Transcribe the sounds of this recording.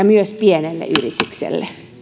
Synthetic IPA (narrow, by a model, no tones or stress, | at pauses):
ɑmyøspienelːḛʔyrit̪yksḛlːe